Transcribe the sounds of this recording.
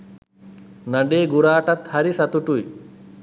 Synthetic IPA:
nɐɳɖeːɡuɾaːʈɐt̪hɐɾisɐt̪uʈuj

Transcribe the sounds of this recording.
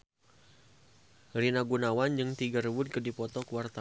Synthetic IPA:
rinaɡunawand͡ʒɨŋt̪iɡaɾiwʊt̪̚kɨdipɔt̪ɔkuwart̪a

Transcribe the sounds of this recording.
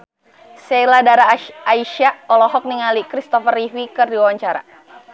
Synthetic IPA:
sɛladaɾaːiʃaɔlɔɦɔk̚niŋalikɾist̪ɔfəriɦwikɨrdiwawaɲt͡ʃaɾa̰

